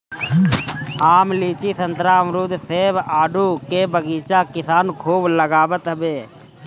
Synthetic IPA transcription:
aːmliːt͡ʃisənt̪ɾamɾud̪seːbaːɖʱukebəɡiːt͡ʃakɪsaːnkʰuːbləɡaːbət̪ɦəbeː

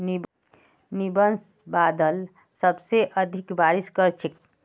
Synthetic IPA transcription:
ni | nibənsbad̪əl | səbseʔəd̪ʱikbaɾiskəɾt͡ʃʰik

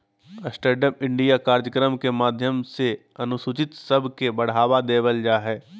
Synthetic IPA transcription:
əsʈəɾɖəmɪ̃ɳɖijakaːɾd͡ʒəkɾəmkemaːd̪ʱjəmse | ɐnʊsʊt͡ʃɪt̪sɐbʱkebɐɽ̤aːʋad̪eːʋəld͡ʒaːɦɛː

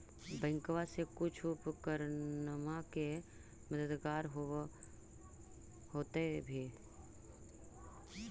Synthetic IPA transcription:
bɛ̃ɪŋkʋasekʊt͡ʃʰʊpkəɾnəmake | məd̪əd̪ɡaːɾɦo | hoːt̪ebʱi

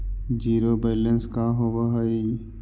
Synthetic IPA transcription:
d͡ʒiːɾobeːlənskaɦowaɦəi

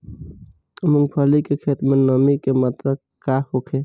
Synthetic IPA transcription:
əməŋɡpʰəlikekʰeːt̪ɾmẽnəmikemat̪ɾə | kahokʰe

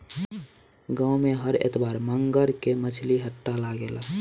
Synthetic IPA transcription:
ɡãmẽɦəɾḛt̪baːɾməŋɡəɾkemət͡ʃʰliɦəʈːalaːɡela

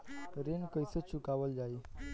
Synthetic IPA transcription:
ɾenkəjsət͡ɕʰukaʋəld͡ʑai

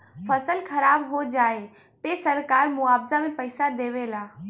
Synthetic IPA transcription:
fɐsəlxʰɐɾaːbɦod͡ʑaːe | pesɐɾkaːɾmʊaːbzamẽpɐɪsad̪eːʋelaː

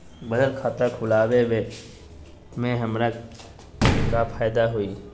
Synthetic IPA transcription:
bəd̪əlkʰaːt̪akʰʊlaːwewe | mẽɦəmɾa | kapʰaːjd̪aɦoiː

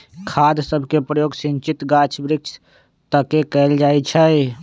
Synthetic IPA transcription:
kʰad̪səbʱkepɾəjoːɡsint͡ʃit̪ɡat͡ʃʰbɾɪkt͡ʃʰ | t̪əkekəld͡ʒajt͡ʃʰə

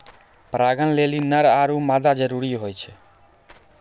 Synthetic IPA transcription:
pɾaɡənlelinəɾaɾumad̪ad͡ʒəɾuɾiɦojt͡ʃʰe

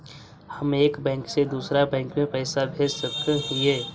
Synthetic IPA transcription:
həmeːkbɛ̃ːŋksed̪uːsɾabɛ̃ːŋkmẽpɛːsabʱeːd͡ʒsəkt̪ẽɦĩeː

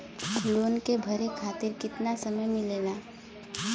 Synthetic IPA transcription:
loːnkebʱəɾekʰaːt̪ɪɾkɪt̪nasəməjmɪlena

